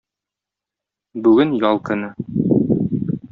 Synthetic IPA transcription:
bʉɡɘnjɒlˠkɤ̆nɤ

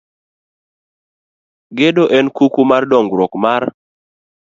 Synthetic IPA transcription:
ɡedoʔɛnkukumardɔŋɡɾɔkmar

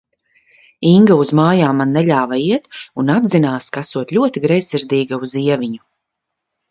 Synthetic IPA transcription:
iŋɡauzmaːjaːmːanːɛʎʲaːvaiɛt̪unad̪zinaːskasuɔt̪lʲuɔt̪iɡɾɛjsiɾd̪iːɡauziɛvʲiɲu

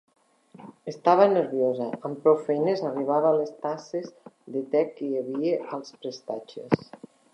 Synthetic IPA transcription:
est̪aβ̞aneɾβjozaːmpɾofejnezariβ̞aβalest̪asezðet̪ɛkːejaβieʔalˠspɾest̪at͡ʃes

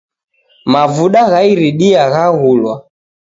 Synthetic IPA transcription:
mavuɗaɣaiɾiɗiaɣaɣulwa

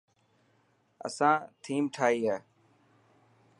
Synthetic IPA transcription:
ə̰sãːt̪ʰiːmʈʰaːiːɦaː

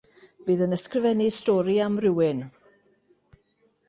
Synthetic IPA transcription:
b̥ɨːðənəskrɪvɛnistɔːɾiamrɪwɪn

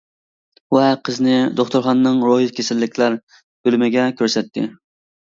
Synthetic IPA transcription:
wɛqʰəznɪd̪oχt̪ʊɾχɑnːɨŋɾoɦit̪̚kʲʰesɪlːɪkʲlæɾ | b̥ølmɪɡʲɛkʲʰøɾsɛt̪ʰːɪ̰

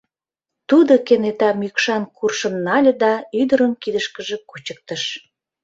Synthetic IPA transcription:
t̪ud̪okenet̪ɑmykʃɑnkurʃə̆nːɑlʲəd̪ɑyd̪əɾənkid̪əʃkəʒĕkut͡ɕə̥k̚t̪əʃ

